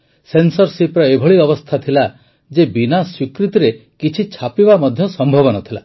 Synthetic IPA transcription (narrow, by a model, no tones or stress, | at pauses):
sensɔɾsipɾɔebʱɔɭiɔbɔst̪ʰat̪ʰila | d͡ʒebinaswikɾit̪iɾekit͡ʃʰit͡ʃʰapibamɔd̪ʱjɔsɔmbʱɔβɔnɔt̪ʰila̰